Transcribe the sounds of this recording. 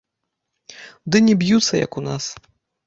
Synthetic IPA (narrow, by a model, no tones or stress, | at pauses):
d̪ɨnʲɛbjut̪sːɐ̰jɐ̰kunas